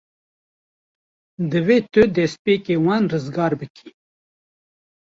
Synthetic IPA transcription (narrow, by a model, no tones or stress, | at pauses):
d̪əwet̪əd̪espeːkewanɾəzɡɑːɾbəki̥